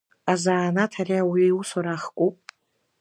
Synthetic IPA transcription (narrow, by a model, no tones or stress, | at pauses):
azaːnatʰariawiusaɾaχkʷʼupʼ